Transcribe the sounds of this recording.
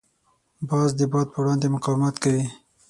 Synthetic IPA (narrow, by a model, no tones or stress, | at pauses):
bɑzd̪əbɑd̪̚pəwɽɑnd̪emʊqɑwɪmat̪kawi